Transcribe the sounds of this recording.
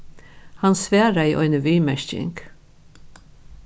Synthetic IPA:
hansvæːɾaiːʔɔ̰ʏnəʋiːmɛʃcɪ̰ŋk

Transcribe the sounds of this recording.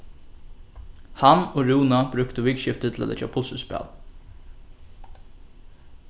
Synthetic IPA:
hanoɹuːnabɾʏkt̪əʋiːkʃɪft̪ət̪ʰɪlæ̰t̪lɛ̰t͡ʃa̰pʰʊlsəspɛ̰ːl

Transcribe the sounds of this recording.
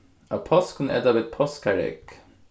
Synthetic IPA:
ɑpʰɔskʰnʔɛ̰d̪ɑʋɛt̪̚pʰɔskæɾɛ̰k

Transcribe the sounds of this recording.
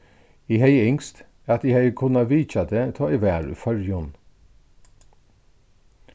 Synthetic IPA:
iːheɪɪŋst̪ | ɑt̪iːheɪəkʰʊnɑʋiːc͡çɑd̪eːt̪ʰɑːʔiʋæːɹʉ̰fœɹjʊn

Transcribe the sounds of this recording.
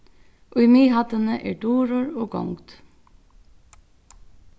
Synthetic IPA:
ʔʊjmiːhɑt̪ənəʔeːɖuːɾɔɹoːɡɔ̰ŋt̪

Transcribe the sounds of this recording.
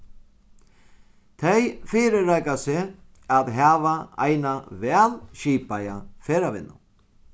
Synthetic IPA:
t̪ʰejfiːɾɪɾajkasɪ | aðɦaːvaa̰jnavɛːlɕiːpaja̰feːɾavɪ̰nːʊ̰

